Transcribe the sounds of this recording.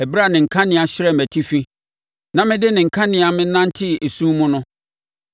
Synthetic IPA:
æ˨bɾa˨nɪ̃˨ŋ̩˨kʰã˦nɪ̃˨a˨ɕɪ˦ɾɛ˦m˨mæ˨tʰi˦fi˦ | nã˨mɪ̃˦dɪ˦nɪ̃˨ŋ̩˨kʰã˦nɪ̃˨a˨mɪ̃˦nã˦n˦tʰɪ˦e˨sũː˦mʊ̃˦nʊ̃˦

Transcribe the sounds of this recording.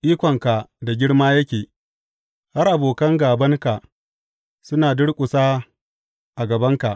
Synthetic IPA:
ʔiː˦kʷɔ˨ŋka˨da˨ɡʲɪ˦ɽmaː˦jɐ˦kʲeː˨ | ha˦rʔa˨boː˨kɐ˦ŋɡaː˨bɐ˦ŋka˨ʔ | sʊ˦naː˨dʊ˦ɽkʷʼʊ˨saː˦ | ʔa˨ɡɐ˨bɐ˦ŋka˨ʔ

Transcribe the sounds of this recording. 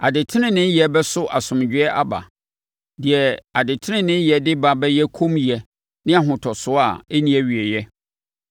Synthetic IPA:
a˨dɪ˨tʰɪ˦nɪ̃˦nɪ̃˦jɛ˨bɛ˦sʊ˦ʔa̰˨sʊ̃˨m˨d͡ʑᶣɪ˦ɛ˦ʔa̰˦ba̰˨ | dɪ˨ɛ˨a˨dɪ˨tʰɪ˦nɪ̃˦nɪ̃˦jɛ˨dɪ˦ba˨bɛ˦jɛ˦kʰõ˦mji˨ɛ˨ | nɪ̃˦a˨ɦʊ̃˨tʰɔ˨sʊ˦a˦˨e˦nĩ˦ɛ˦ɥi˨ɛ˨jɛ˦

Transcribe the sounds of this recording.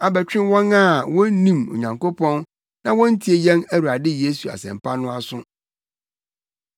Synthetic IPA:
a˨bæ˨t͡ɕᶣɪ̃˦wɔ̃˦na˦˨wɔ̃˦nĩ˦mo̰˨ɲã˨ŋko˦pʰɔ̃˦n | nã˦wɔ̃˦n̩˦tʰi˨˦e˨jɛ̃˦næ˦wu˨a˨dɪ˦je˦su˨a̰˨sɛ̰̃˨m̩˨pʰa˦nʊ̃˦a˦sʊ̃˦

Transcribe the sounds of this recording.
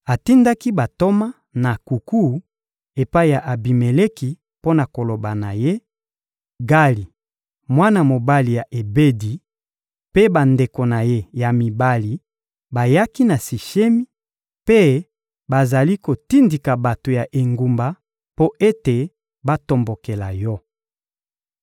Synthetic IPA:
a˨ti˦nda˦ki˦ba˨to˦ma˦ | na˨ku˨ku˦ | e˨pa˦i˦ja˨ʔa˨bi˨me˨le˦ki˨ | po˦na˨ko˨lo˨ba˨na˨je˦ | ɡa˦li˨ | mwa˦na˨mo˨ba˦li˨ja˨ʔe˨be˦di˨ | pe˦ba˨nde˨ko˨na˨je˦ja˨mi˨ba˦li˨ | ba˨ja˦ki˦na˨si˨ʃe˦mi˦ | pe˦ | ba˨za˨li˦ko˨ti˦ndi˨ka˨ba˨to˨ja˨ʔe˨ŋɡu˨mba˨ | po˦ʔe˦te˨ | ba˦to˨mbo˨ke˨la˨jɔ˦

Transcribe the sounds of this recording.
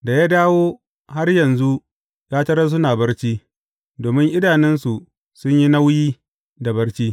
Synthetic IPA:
da˨jaː˦daː˦woː˦ | ha˦rjɐ˨nzu˦ | jaː˦tɐ˦ɾɐ˦s̬ʊ˦naː˨bɐ˦rt͡ʃiː˦ | doː˨mɪ˦ŋʔɪ˦daː˨nɛ˦nsu˨ | sʊ˦ɲji˦na˦wjiː˦ | da˨bɐ˦rt͡ʃiː˦

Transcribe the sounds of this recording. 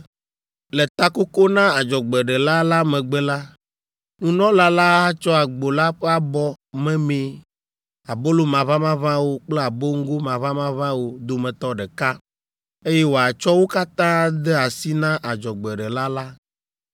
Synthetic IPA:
le˨t̪a˦ko˦ko˦nã˦a˨d͡ʒɔ˨ɡ͡bɛ˨ɖɛ˨la˦la˦mɛ̃˨ɡ͡bɛ˦la˦ | nũ˦nɔ̃˦la˦la˦a˦t͡ʃɔ˦a˨ɡ͡bo˨la˦ɸe˦a˨bɔ˦ | mɛ̃˦mẽ˦ | a˨bo˦lo˦mã˨vã˦mã˦vã˦wo˦k͡ple˦a˨bo˦ŋ̩˦ɡo˦mã˨βã˦mã˦vã˦wo˦d̪o˦mɛ̃˨t̪ɔ˦ɖɛ˨ka˦ | e˦jɛ˦wo˨a˨t͡ʃɔ˦wo˦ka˦t̪ã˦d̪ɛ˦a˨si˦nã˦ʔa˨d͡ʒɔ˨ɡ͡bɛ˨ɖɛ˨la˦la˦

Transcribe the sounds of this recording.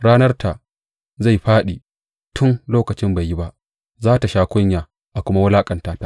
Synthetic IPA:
ɽaː˦nɐ˦rta˨ | za˦˨jɸaː˦ɗiː˨ | tʰʊ˦nloː˦kɐ˨t͡ʃɪ˦mba˨jːi˦ba˦ʔ | zaː˦ta˨ʃaː˦kʷʊ˦ɲjaː˨ | ʔa˨kʷʊ˦ma˦wɐ˦laː˦kʼɐ˨ntaː˦ta˦

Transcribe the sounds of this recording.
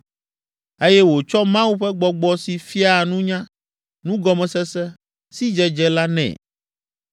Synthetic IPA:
e˦jɛ˦wo˨t͡ʃɔ˦mã˦wu˦ɸɛ˦ɡ͡bɔ˨ɡ͡bɔ˦si˨fi˦a˦˨nũ˦ɲã˦ | nũ˦ɡɔ˨mɛ̃˨sɛ˦sɛ˦ | si˦d͡ʒɛ˦d͡ʒɛ˦la˦nɛ̰̃˨

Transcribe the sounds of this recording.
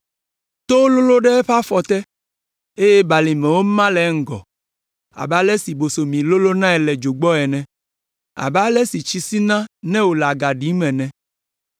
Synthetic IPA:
t̪o˦lo˦lo˦ɖɛ˦ɸa˦fɔ˨t̪ɛ˦ | e˦jɛ˦ba˨li˨mɛ̃˨wo˦mã˦lɛ˨˦ŋ̩˦ɡɔ̰˨ | a̰˨bɛ˦a˦lɛ˦si˨bo˨so˨mĩ˨lo˦lo˦nã˦ɛ˨lɛ˨d͡ʒo˨ɡ͡bɔ˦ɛ˨nɛ̃˨ | a̰˨bɛ˦a˦lɛ˦si˨t͡ɕi˦si˦nã˦nɛ̃˦wo˨la˨ɡa˨ɖi˨˦mɛ̃˨nɛ̃˨

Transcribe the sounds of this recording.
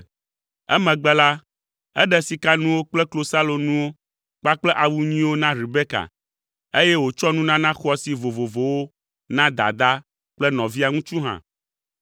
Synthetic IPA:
ɛ̰˦mɛ̃˨ɡ͡bɛ˦la˦ | ɛ˦ɖɛ˨si˨ka˦nũ˦wo˦k͡plɛ˦klo˨sa˦lo˨nũ˦wo˦ | k͡pa˦k͡plɛ˦ʔa˨wu˦ɲĩ˦wo˦nã˦ɾi˨be˦ka̰˨ | e˦jɛ˦wo˨t͡ʃɔ˦nũ˦nã˦nã˦xɔ˦si˨vo˨vo˨vo˨wo˦ | nã˦d̪a̰˨d̪a˦ | k͡plɛ˦nɔ̃˨vi˦a˨ŋũ˦t͡ʃu˦ɦã̰˨

